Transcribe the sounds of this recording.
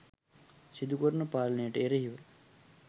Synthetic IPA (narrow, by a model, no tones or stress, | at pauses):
sid̪ukəɾunəpaːlɐnejəʈəeɾeɦiʋə